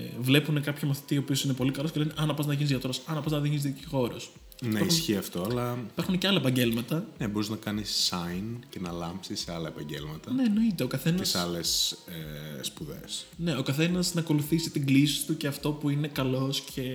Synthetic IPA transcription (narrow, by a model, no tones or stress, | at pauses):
vle̞pune̞kɐpçɐmɐθi̥t̪iopio̞sinepo̞likɐlosceleneʔɐnɐpɐznɐʝinizʝɐt̪oɾosɐnɐpɐznɐðiʝinizðiciɣo̞ɾos | nɐɐisçiɐft̪o̞ɐlɐi̥pɐɾxunceɐlɐepɐɲɟe̞lmɐt̪ɐnebo̞ɾiznɐkɐnisːɐjncenɐlɐmpsisːeɐlɐepɐɲɟḛlmɐt̪ɐne̞ːno̞it̪e̞okɐθe̞nɐesɐles | puðḛsne̞o̞kɐθe̞nɐsnɐːko̞luθisit̪iɡlisi̥t̪uce̞ɐft̪o̞puine̞kɐlo̞scʰe̞